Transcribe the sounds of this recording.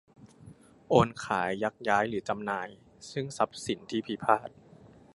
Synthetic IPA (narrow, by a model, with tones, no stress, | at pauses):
ʔoː˧nkʰaː˩˦jːa˦˥k̚jaː˦˥jɾɯː˩˦t͡ɕa˧mnaː˧j | sɯ˥˩ŋsa˦˥p̚si˩˦nt̪ʰiː˥˩pʰi˦pʰaː˥˩t̪̚